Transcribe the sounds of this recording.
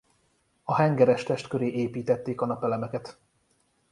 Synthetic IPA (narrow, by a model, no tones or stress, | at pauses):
ɒɦɛŋɡɛɾɛʃt̪ɛʃt̪køɾeːʔeːpiːt̪ɛt̪ːeːkɒnɒpɛlɛmɛkɛt̪